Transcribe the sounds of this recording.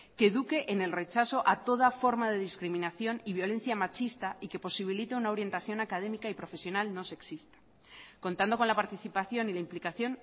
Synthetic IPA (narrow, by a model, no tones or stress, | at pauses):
ke̞ðuke̞ʔene̞lre̞t͡ʃaso̞ʔat̪o̞ð̞afo̞ɾmaðe̞ðiskɾimĩnaθjo̞niβjo̞le̞n̟θjamat͡ʃist̪aike̞po̞siβ̞ilit̪e̞unao̞ɾje̞nt̪aθjo̞nakað̞e̞mikaipɾo̞fe̞sjo̞nalno̞se̞ksist̪ḁ | ko̞nt̪and̪o̞konlapaɾt̪iθipaθjo̞nilaimplikaθjo̞n